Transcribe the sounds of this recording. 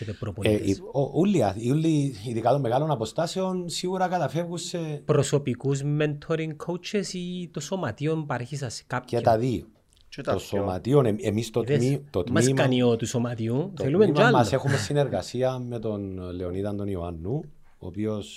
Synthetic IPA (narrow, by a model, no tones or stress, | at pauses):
ot̪epɾopoloulːiɐiulːiiðikat̪omːeɣalonapo̞st̪aseonsiɣuɾɐkɐt̪ɐfevɣusːepɾoso̞pikuzment̪ʰoɾiŋɡkʰowt͡ʃe̞sit̪oso̞mɐt̪io̞npɐɾeçis̬ɐse̥kapket̪aði | t̪osoma̰t̪ioneemist̪oeit̪ot̪mɐiskɐniot̪usomɐt̪iuθelumealmːsoexumesːineɾɣɐsiɐmet̪o̞nleoniðɐnd̪onioanːu | o̰pio̞s